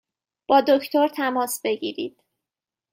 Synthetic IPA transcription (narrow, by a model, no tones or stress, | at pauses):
b̥ɒːd̪o̞kʰt̪ʰo̞ɾt̪ʰæmɒːsb̥e̞ɟḭːɾḭːd̪̥̚